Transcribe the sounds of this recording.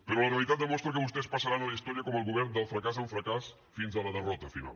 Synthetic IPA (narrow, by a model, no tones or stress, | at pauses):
pəɾolaɾealit̪at̪̚d̪əmɔst̪ɾak̬əβust̪espasaɾanaləist̪ɔɾjəkɔməlˠɣuβɛɾnd̪əlˠfɾakazauɱfɾakas | finzalaðərɔt̪afina̰l